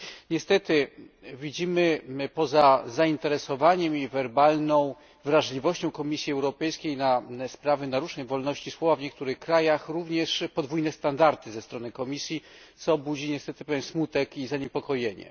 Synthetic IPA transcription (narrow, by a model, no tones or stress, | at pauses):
ɲɛst̪ɛt̪ɘvʲid͡ʑimɘpɔzazaint̪ɛɾɛsɔvaɲɛmivɛɾbalnɔ̃w̃ | vɾaʐlʲivɔɕt͡ɕɔ̃w̃kɔmʲisʲjiɛwɾɔpɛjskʲejnaspɾavɘnaɾuʐnɛjvɔlnɔɕt͡ɕiswɔvavɲɛk̚t̪uɾɘxkɾajaxɾuvɲɛʂpɔd̪vujnɛst̪and̪aɾt̪ɘzɛst̪ɾɔnɘkɔmʲisʲji | t̪sɔbud͡ʑiɲɛst̪ɛt̪ɘpɛvjɛnsmut̪ɛkizaɲepɔkɔjeɲɛ̰